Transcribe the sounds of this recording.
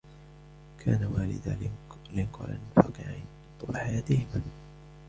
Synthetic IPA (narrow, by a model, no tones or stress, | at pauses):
kʰaːnawaːlɪ̰d̪a | lɪnqɑ̰ɾˤa̰nfaːqɪʕa̰n | t̪baħajaːt̪ɪhɪma